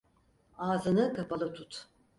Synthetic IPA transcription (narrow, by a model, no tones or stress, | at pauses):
aːzɯnɯkʰapʰalˠɯt̪ʰut̪